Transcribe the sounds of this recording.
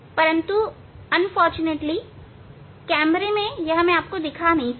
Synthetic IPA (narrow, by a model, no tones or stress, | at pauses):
pɐɾə̃nt̪u | ɐnfɔːɾt͡ʃʊneːʈli | kɛːmɾemẽjɐɦɐmẽaːp̚kod̪ɪkʰanɐɦĩ